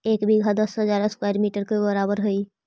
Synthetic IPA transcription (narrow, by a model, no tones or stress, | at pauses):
eːkbʱiɡʱad̪əsɦəd͡ʒaːɾəskwaːjɾmiːʈəɾkebəɾaːbəɾɦʊi